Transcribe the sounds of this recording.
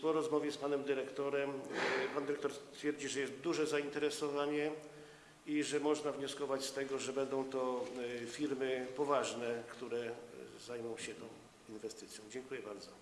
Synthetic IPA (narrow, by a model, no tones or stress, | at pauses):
pɔɾɔzmɔvʲjɛspanɛmd̪ɘɾɛkt̪ɔɾɛmpand̪ɘɾɛkt̪ɔɾst̪fʲjɛɾd͡ʑiʐɛjɛst̪̚d̪uʐɛzaint̪ɛɾɛsɔvaɲɛ | iʐɛmɔʐnavɲɔskɔvat͡ɕst̪ɛɡɔʐɛbɛnd̪ɔ̃w̃t̪ɔfʲiɾmɘpɔvaʐnɛkt̪uɾɛzajmɔ̃w̃ɕɛt̪ɔ̃w̃ | invɛst̪ɘt̪sʲjɔ̃w̃d͡ʑɛŋkujɛbaɾd̪zɔ